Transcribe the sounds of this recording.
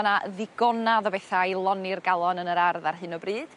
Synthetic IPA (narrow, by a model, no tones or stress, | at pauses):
naðɪɡɔnaðɔbeθajlˠɔnɪrɡalˠɔnənəɾarðarɦɨnɔbriːd̥